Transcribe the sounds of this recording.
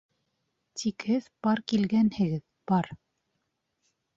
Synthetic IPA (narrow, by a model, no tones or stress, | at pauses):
t̪ʰikhɘðbɑɾkilɡænhɘ̆ɡɘð | bɑɾ